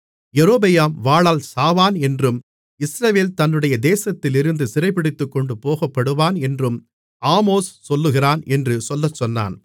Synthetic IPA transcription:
jɛɾoːbɐjaːmʋaːɭaːlsaːʋaːnɛndrɯm | ɪsɾɐʋeːlt̪ɐnːɯɽɐjɐd̪eːsɐt̪ːɪlɪɾɯnd̪ɯsɪɾɐɪpːɪɽɪt̪ːɯkːɔɳɖɯpoːɣɐpːɐɽɯʋaːnɛndrɯm | aːmoːssɔlːɯɣɪraːnɛndrɯsɔlːɐt͡ʃːɔnːa̰ːn

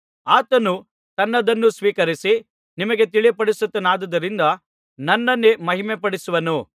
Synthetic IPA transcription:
aːt̪ɐnu | t̪ɐnːɐd̪ɐnːusʋiːkɐɾisi | nimɐɡe̞t̪̬iɭijpɐɽisut̪ːɐnaːd̪ɐd̪ɐɾind̪ɐ | nɐnːɐnːemɐɦimepɐɽisuʋɐnu

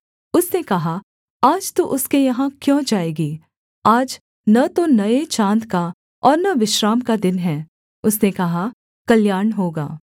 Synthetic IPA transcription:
ʊsnekɐɦa | aːd͡ʒt̪oʔʊskejɐɦãkjõːd͡ʒaːeːɡeː | aːd͡ʒ | nɐt̪onɐet͡ʃãːnt̪ka | ɔːɾnɐʋɪʃɾaːmkad̪ɪnɦɛː | ʊsnekɐɦa | kɐljaːɾɳɦoːɡa̰ː

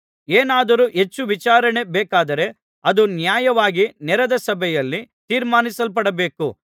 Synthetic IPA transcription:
eːnaːd̪ɐɾuʔɦe̞t͡ʃːuʋit͡ʃaːɾɐɳe̞bɛːkaːd̪ɐɾe̞ | ɐd̪unjaːjɐʋaːɡinɛɾɐd̪ɐsɐbʱɛjɐlːit̪iːɾmaːnisɐlp̬ɐɽɐbe̞ːku

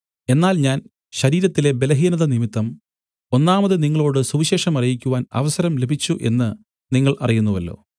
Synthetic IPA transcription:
e̞nːaːlɲaːn | ɕɐɾiːɾɐt̪ːile̞be̞lɐɦiːnɐðɐnimit̪ːɐm | o̞nːaːmɐðɨniŋːɐɭoːɽɨsuʋiɕe̞ːʂɐmɐrijikʲːuʋaːnɐ̰ʋɐsɐɾɐmle̞bʱit͡ɕːuʔe̞̰nːɨ | niŋːɐɭɐrijunːuʋɐlːo̞̰ː

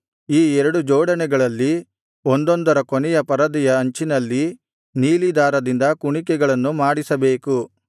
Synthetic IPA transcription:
iːɛɾɐɽud͡ʒɔːɽɐnɛɡɐɭɐlːi | ond̪ond̪ɐɾɐkonɛjɐpɐɾɐd̪ijɐɐɲt͡ʃinɐlːi | niːlid̪aːɾɐd̪ind̪ɐkuɳikɛɡɐɭɐnːumaːɽisɐbe̞ːku

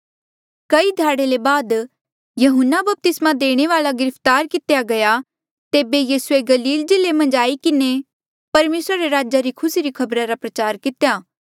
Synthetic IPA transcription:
kɐid̪ʱaːɽelebaːd̪ | jɐɦʊnːabɐp̚t̪ɪsmad̪eːɽ̃eʋaːlaɡɪɾəpʰt̪aːɾkɪt̪ejaɡɐja | t̪eːbejiːsʊeɡɐliːld͡ʒɪlemɐ̃nd͡ʒaːikɪne | pɐɾmeːsɾaɾeɾaːd͡ʒaɾikʰʊsiɾikʰɐbɾaɾapɾɐt͡ʃaːɾkɪt̪jaː

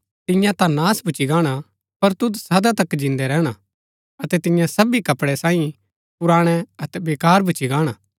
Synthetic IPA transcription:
t̪ɪ̃jãt̪ãnaːsbʱʊt͡ʃiɡaːɽ̃a | pɐɾt̪ʊd̪sɐd̪at̪ɐkːd͡ʒɪ̃nd̪ɛɾɛːɽ̃a | ɐt̪ɛt̪ɪ̃jãsɐbikɐpɽɛsãːĩ | pʊɾaːɽ̃ɛɐt̪ɛbeːkaːɾbʱʊt͡ʃiɡãːɽ̃aː

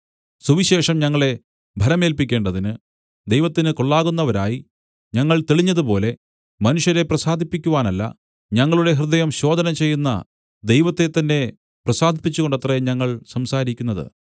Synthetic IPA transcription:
suʋiɕe̞ːʂɐmɲɐŋːɐɭe̞ | bʱɐɾɐme̞ːlpikʲːe̞ːɳɖɐðinɨ | d̪e̞jʋɐt̪ːinɨko̞ɭːaːɣunːɐʋɐɾa̰ːji | ɲɐŋːɐɭt̪eɭiɲːɐðupo̞ːle̞ | mɐnuʂjɐɾe̞prɐsaːd̪ʱipːikʲːuʋaːnɐlːɐ̰ | ɲɐŋːɐɭuɽe̞ɦrɨd̪ɐjɐmɕo̞ːd̪ʱɐnɐmt͡ɕe̞jːunːɐ̰ | d̪e̞jʋɐt̪ːe̞t̪ːɐnːe̞ | prɐsaːd̪ʱipːit͡ɕːuɣo̞ɳɖɐt̪rɐɲɐŋːɐɭsɐmsaːɾikʲːunːɐðɨ̰

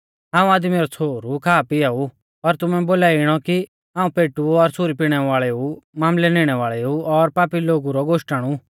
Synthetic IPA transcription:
ɦãːũaːd̪miɾɔt͡sʰoːɾukʰaːpɪau | ɔɾt̪ʊmɛ̃boːlaːɪɽ̃ɔki | ãːũpeːʈuɔɾsʰʊɾipiɽ̃ɛʋaːɭɛumaːmlɛneːɽ̃ɛʋaːɭɛuɔɾpaːpiloːɡuɾɔɡoʃʈaɽ̃u

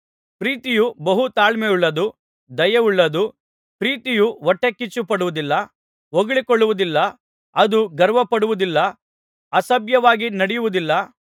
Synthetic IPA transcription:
pɾiːt̪ijubɐɦut̪aːlmejuɭːɐd̪u | d̪ɐjɐuɭːɐd̪u | pɾiːt̪ijuʋɔʈːekːit͡ʃːupɐɽuʋud̪ilːɐ | oɡɐɭikɔɭːuʋud̪ilːɐ | ɐd̪uɡɐɾʋɐpɐɽuʋud̪ilːɐ | ɐsɐbjɐʋaːɡinɐɽɛjuʋud̪ilːɐ

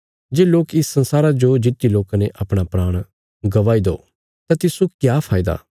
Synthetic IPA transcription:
d͡ʒeːloːkɪsːɐ̃nsaːɾad͡ʒod͡ʒɪt̪ːiloːkaneʔɐpɽ̃apɾaːɽ̃ | ɡɐʋaːid̪o̰ː | t̪ãt̪ɪsukjaːpʰaːɪd̪a̰ː

